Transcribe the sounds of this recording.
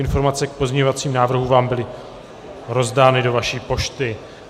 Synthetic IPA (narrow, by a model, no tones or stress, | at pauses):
ɪnfo̞ɾmat͡sɛk̚po̞zɲɛɲovat͡siːmnaːvr̩ɦuvaːmbɪlɪ | ɾo̞zdaːnɪdo̞vaʃiːpo̞ʃt̪ɪ